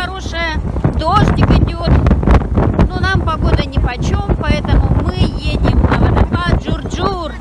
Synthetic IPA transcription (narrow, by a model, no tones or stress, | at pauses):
ɐɾo̞ʂɨjəd̪oʐdʲɪkɨdʲot̪ | nonampɐɡo̞d̪ənʲɪpɐt͡ɕo̞mpɐɛt̪əmʊmɨjedʲɪmnɐvɐd̪ɐvaʐʊrd͡ʒur